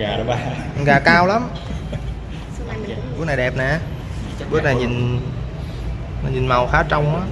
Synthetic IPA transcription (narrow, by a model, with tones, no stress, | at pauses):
a˨˩˨ɣaː˨˩kaː˧wla˨˦m˨ | ɓɨ˦əkna˨˩ɗɛ˨˩p̚nɛ˨˩ | ɓɨ˦˥ək̚na˨˩jɲi˨˩n | a˨˩ɲi˨˩nma˨˩wxaː˨˦t͡ɕa˧wŋ͡mʔaː˨˦